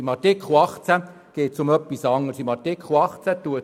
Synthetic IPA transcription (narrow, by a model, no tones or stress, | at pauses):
imɑtɪkχuɑχt͡sæ | ɡ̥eːtsʊmœpːisɑŋːəɾsimɑtɪkʰχuɑχt͡sæt̪ːuə